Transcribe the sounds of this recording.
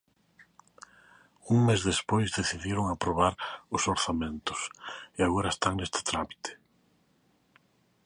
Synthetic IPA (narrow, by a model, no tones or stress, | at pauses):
uŋmezðespojzðeθiðjeɾoŋapɾoβaɾʊsoɾθamẽnt̪ʊ̥seaɣoɾaest̪aŋnest̪ɪ̥t̪ɾami̥t̪e̥